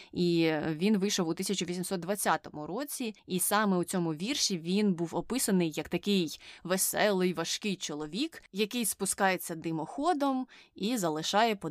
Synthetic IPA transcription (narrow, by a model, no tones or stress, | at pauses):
iʋʲinʋɪjʃɔwut̪ɪsʲɐt͡ʃʊʋʲisʲimsɔt̪̚d̪ʋɐt͡sʲːat̪ɔmʊɾɔt͡sʲiisɑmɛut͡sʲɔmʊʋʲirʃiʋʲinbuwɔpɪsɐnɪjːɐkt̪ɐkɪjʋesɛlˠɪjʋɐʃkɪjt͡ʃɔlˠɔʋʲikjɐkɪjspʊskɑjet͡sʲːɐd̪ɪmɔxɔd̪ɔmizɐlˠɪʃɑjɛpɔ